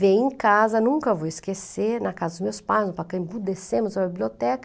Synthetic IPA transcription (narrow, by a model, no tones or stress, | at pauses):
vẽj̃ẽkazɐnũkɐvoɪskesenɐkazɐd̪ʊzmewspajznʊpakɐ̃bud̪esẽmʊzɾɐbibliot̪ɛkɐ